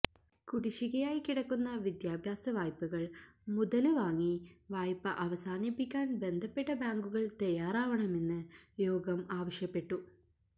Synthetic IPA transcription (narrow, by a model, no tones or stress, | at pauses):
kuɽiɕiɣɐjaːjikiɽɐkːunːɐʋid̪jaːbʱjaːsɐʋaːjpːuɣɐɭmuðɐlɨʋaːŋːiʋaːjpːɨʔɐʋɐsaːnipːikʲːaːnbe̞nd̪ʱɐpːe̞ʈːɐbaːŋɡuɣɐɭt̪ɐjaːɾaːʋɐɳɐme̞nːɨjo̞ːɡɐmaːʋɐʂjɐpːe̞ʈːu